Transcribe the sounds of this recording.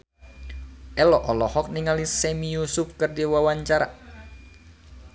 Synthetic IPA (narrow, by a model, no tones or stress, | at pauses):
ʔɛlɔʔɔlɔhɔk̚niŋalisɛmijusufkɨrdiwawaɲt͡ʃaɾa